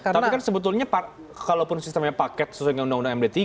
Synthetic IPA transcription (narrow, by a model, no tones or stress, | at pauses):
kaatiikansəbət̪ʊlɲapa | kalopʊnsist̪əmɲapakɛt̪̚səsuaɲaundaŋundaŋɛmdɛt̪i